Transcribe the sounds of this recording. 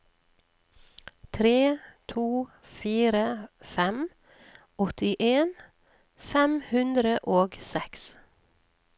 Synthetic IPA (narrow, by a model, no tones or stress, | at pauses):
t̪ʰɾeːt̪ʰuː | fiːɾəfɛm | ɔt̪ɪʔeːn | fɛmhʉnd̪ɾəʔoːɡsɛks